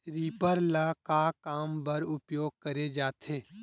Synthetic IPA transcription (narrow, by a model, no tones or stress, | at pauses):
ɾiːpəɾlakakaːmbəɾʊpjoːɡ̚kəɾed͡ʒaːt̪ʰeː